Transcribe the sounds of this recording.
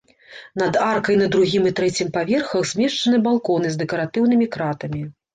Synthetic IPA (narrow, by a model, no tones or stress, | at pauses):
n̪ɐd̪arkɐjnɐd̪ɾuɣʲimɨt̪ɾɛt͡sʲimpavʲɛrxɐwzʲmʲɛʂt͡ʂɐnɨbalˠkɔnɨzd̪ɛkɐɾat̪ɨwnɨmʲikɾat̪ɐmʲi